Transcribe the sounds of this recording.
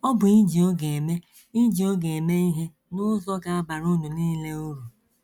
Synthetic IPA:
ɔ˦bʊ˨i˦d͡ʒi˨o˦ɡe˨e˨me˦ | i˦d͡ʒi˨o˦ɡe˨e˨me˦i˦ɦe˦ | nʊ˦zɔ˦ɡa˨a˦ba˨ɾu˦nu˨niː˦le˦u˦ɾu˨

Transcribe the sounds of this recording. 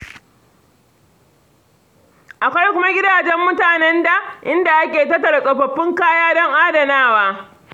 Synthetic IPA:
ʔa˨kʷa˦jkʷʊ˦ma˦ɡʲɪ˦daː˨d͡ʒɛ˦mːʊ˦taː˨nɛ˦nda˨ʔɪ˦nda˨ʔa˦kʲeː˨tɐ˦tːɐ˨ɽa˨kʼɐ˨ɸɐ˨ɸːɪ˦ŋkaː˦jaː˦dɔ˦ŋʔa˦dɐ˨naː˦˨waː˦

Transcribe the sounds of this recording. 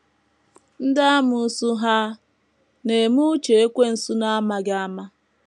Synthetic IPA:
n̩˦da˦a˦mʊ˨˦su˦ɦa˦ | ne˨mu˦t͡ʃe˨e˦kʷe˦n̩˨su˦na˦a˦ma˨ɡa˦a˦ma˦

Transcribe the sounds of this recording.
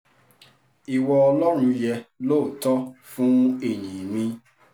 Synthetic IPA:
i˨wɔ˧ɔ˧lɔ˦ɾ̃ũ˧jɛ˧loː˦˨tɔ˦fũ˦e˦˨ɲĩ˨mĩ˧

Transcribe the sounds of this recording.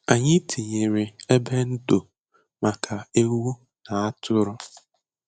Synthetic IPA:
a˨ɲɪ˦tʰi˨ɲe˨ɾɪ˨e˦be˦n̩˦do˨ | ma˨kʰa˨e˦wu˦ | na˨a˦tʰʊ˦ɾʊ˦

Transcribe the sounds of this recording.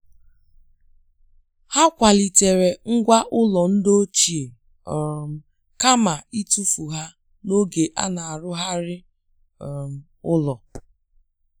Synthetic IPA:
ha˦kʷa˨li˨te˨ɾe˨ŋ̩˦ɡʷa˦ʔʊ˦lɔ˨n̩˦do˦t͡ʃi˨e˨ | m̩˨ | ka˦ma˨i˦tu˦fu˨ɦa˦ | no˦ɡe˨ʔa̰˦na˨a˨ɾʊ˦ɦa˦ɾɪ˦˨ | m̩˨ | ʊ˦lɔ˨

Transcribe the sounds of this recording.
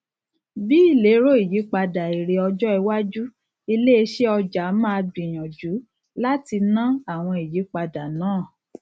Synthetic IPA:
bi˦i˦˨le˨˦ɾo˦i˦˨ji˨˦k͡pa˧da˨i˨ɾe˨ɔ˧d͡ʒɔ˦ɛ˧wa˦d͡ʒu˦ | i˧le˦e˧ʃe˦ɔ˧d͡ʒa˨˦mã˦˧bĩ˨j̃ã˨d͡ʒu˨˦ | la˦ti˧nã˦a˦˨w̃ɔ̃˧i˨ji˨˦k͡pa˧da˨nãː˦˨

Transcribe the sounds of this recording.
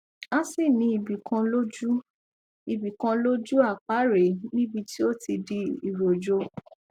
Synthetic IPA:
ã˦si˦˨nĩ˨˧˦i˨bi˨kã˧lo˦d͡ʒu˦ | i˨bi˨kã˧lo˦d͡ʒu˦a˦˨k͡pa˨˦ɾe˨˦nĩ˦bi˧ti˦o˦ti˧di˧˦i˨ɾo˨d͡ʒo˧˦

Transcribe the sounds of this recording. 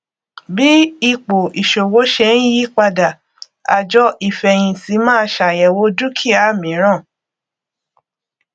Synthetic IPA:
bi˦i˦˧k͡po˨i˨ʃo˨wo˨˦ʃɛ̃˧˦ji˦k͡pa˧da˨ | a̰˧d͡ʒɔ˦ʔi˦˨fɛ˧j̃ĩ˧ti˨˦mãː˦ʃa˨jɛ˨wo˧˦du˦kʰi˦˨a˨˦˨mĩ˨˦ɾ̃ã˦˨

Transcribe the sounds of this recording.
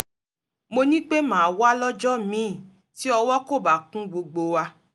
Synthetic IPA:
mo˧nĩ˦k͡pe˦mãː˨wa˦lɔ˦d͡ʒɔ˦mĩ˨˦˨ | ti˦ɔ˧wɔ˦ko˦˨ba˨kũ˦ɡ͡bo˧ɡ͡bo˧wa˧

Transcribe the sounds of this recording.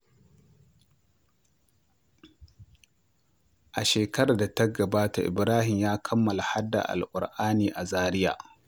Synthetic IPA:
ʔa˨ʃeː˨kɐ˦ɾaː˨da˨tɐ˦ɡɐ˨baː˦ta˨ʔɪ̰˨bɾaː˦hɪ˨mjaː˦kʰɐ˦mːɐ˨la˨ha˦dːa̰˨ʔa̰˨lʔʷʼʊ˨ɾʔaː˦niː˨ʔa˨zaː˦ɾɪ˦ja̰ː˨

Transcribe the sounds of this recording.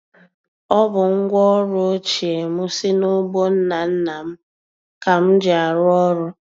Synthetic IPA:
ɔ˦bʊ˨ŋ̩˦ɡʷɔ˦ɾʊ˦o˦t͡ʃi˨e˨mʊ˦sɪ˦no˦bo˦n̩˦na˨n̩˦na˨m̩˦ | ka˨m̩˦d͡ʒɪ˨a˨ɾʊ˦ɔ˦ɾʊ˦

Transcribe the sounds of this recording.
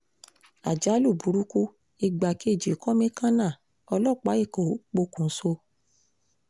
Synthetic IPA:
a̰˨d͡ʒa˨˦lu˦˨bu˨ɾu˦ku˦ | i˧ɡ͡ba˨ki˦e˦˨d͡ʒi˨kɔ˦mĩ˦kã˦nã˦˨ | ɔ˧lɔ˦˨k͡pa˨˦i˦˨kɔ˨˦k͡po˧kũ˨˦so˧

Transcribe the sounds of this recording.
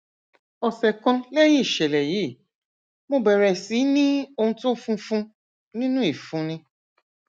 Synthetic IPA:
ɔ˧sɛ˨kɔ̃˧le˦ji˦i˨ʃɛ˨lɛ˨ji˨˦˨ | mo˧bɛ˨ɾɛ˨si˨˦nĩ˦o˧hũ˧˦tũ˦fũ˧fũ˧ | nĩ˦nũ˦i˦˨fũ˨˦nĩ˧

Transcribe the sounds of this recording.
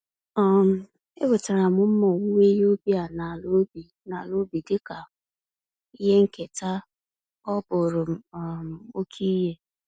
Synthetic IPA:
ɔ˨m̩˨ | e˦bʊ˨ta˨ɾa˨mʊ˦m̩˦mɔ˨wu˦wʷe˦jo˦bi˦a˨na˨lo˦bi˨ | na˨lo˦bi˨dɪ˦ka˨ | i˦ɦe˦ŋ̩˦ke˨ta˦ | ɔ˦bʊ˨ɾʊ˨m̩˦˨m̩˨o˦kʰi˦je˦

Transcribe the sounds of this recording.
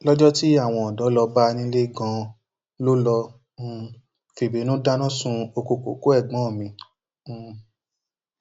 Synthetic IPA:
lɔ˦d͡ʒɔ˦ti˦a˦˨w̃ɔ̃˧ɔ˨dɔ˨˦lɔ˧ba˦˧nĩ˦le˦ɡã˧ | lo˦lɔ̃˧˨ | fi˨be˨˦nũ˦da˦nã˦˨sũ˧o˧ko˧ko̰˨ko˦ɛ˦˨ɡ͡bɔ̃˨˦˨mĩ˧˦˨

